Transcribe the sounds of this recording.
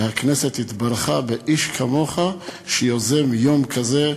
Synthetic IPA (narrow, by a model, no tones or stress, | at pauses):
hakneset̪it̪baɾχabeʔiʃkʰamo̞χaʃejozemjomkʰaze